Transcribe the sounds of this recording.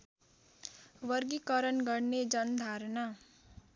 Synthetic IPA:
wʌrɡikʌɾʌnɡʌrned͡zʌnd̪ʱaɾna

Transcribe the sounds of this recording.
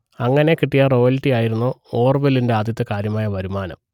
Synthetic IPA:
ɐŋːɐne̞kiʈːijɐro̞ːjɐlitːijaːjiɾunːuoːrʋelːinde̞aːd̪ʱjɐt̪ːɨkaːɾjɐmaːjɐʋɐɾumaːnɐ̰m

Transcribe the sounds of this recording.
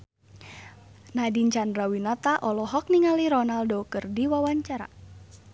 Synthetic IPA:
nadiɲt͡ʃandrawinat̪aʔɔlɔɦɔk̚niŋaliɾɔnaldɔkərdiwawaɲt͡ʃaɾa̰

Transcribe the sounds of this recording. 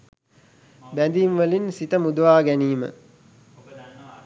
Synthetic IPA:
bænd̪iːnʋəlinsit̪əmud̪əʋaːɡæniːmə̰

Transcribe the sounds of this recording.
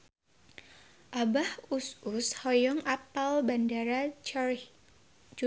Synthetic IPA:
ʔabahusushɔjɔŋapalbandaɾa

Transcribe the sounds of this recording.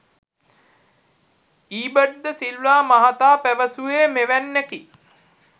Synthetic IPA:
iːbəɖd̪əsillaːmaɦat̪aːpæʋəsueːmeʋænːæki

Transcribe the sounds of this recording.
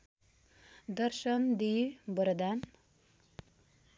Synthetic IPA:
d̪əɾʃənd̪ibəɾd̪an

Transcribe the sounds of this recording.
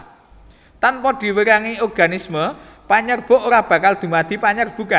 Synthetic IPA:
t̪anpɔd̪̥i̤wəɾaŋiɔrɡ̥anisməpaɲərb̥o̤ʔoɾab̥ä̤kald̪̥ṳmad̪̥i̤paɲərb̥ṳka

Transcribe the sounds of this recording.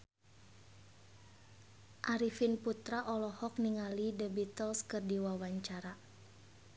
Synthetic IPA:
ʔaɾifinput̪ɾaʔɔlɔhɔk̚niŋalidəbit̪ɔlskɨrdiwawaɲt͡ʃaɾa

